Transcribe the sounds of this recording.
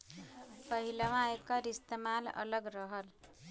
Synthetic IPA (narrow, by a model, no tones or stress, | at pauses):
pəɦilamãekəɾist̪emalə̰ləɡɾʌɦəl